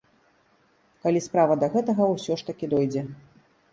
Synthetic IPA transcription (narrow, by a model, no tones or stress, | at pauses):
kalʲispɾavɐd̪ɐɣɛt̪ɐɣɐwsʲɔʂt̪ɐkʲid̪ɔjd͡zʲɛ